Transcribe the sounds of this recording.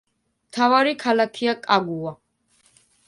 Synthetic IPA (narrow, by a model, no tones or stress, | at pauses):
mt̪ʰavaɾikʰalakʰiakʼaɡua